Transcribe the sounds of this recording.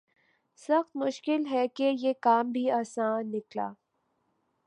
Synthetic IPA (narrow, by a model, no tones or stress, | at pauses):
sɐxt̪mʊʃkɪlɦɛkejekaːmbʱiaːsãːnːɪkla̰ː